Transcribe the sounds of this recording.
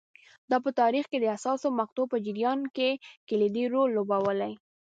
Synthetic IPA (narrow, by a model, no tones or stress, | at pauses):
d̪ɑpət̪ɑɾixked̪əasɑsomaqt̪opəd͡ʒɪɾjɑnkekeled̪iɾolːobawəlaj